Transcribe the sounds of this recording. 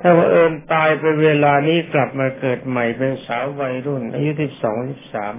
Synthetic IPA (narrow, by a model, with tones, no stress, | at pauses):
t̪ʰaː˥˩wa˧˩ʔɤː˧nt̪aː˧jpa˧nweː˧laː˧niː˦˥˩kla˨˩p̚maː˧kɤː˨˩t̪̚ma˨˩jpe˧nsaː˩˦wwa˧jɾu˥˩nʔa̰ː˧ju˦˥si˨˩p̚sɔː˩˦ŋsi˨˩p̚saː˩˦m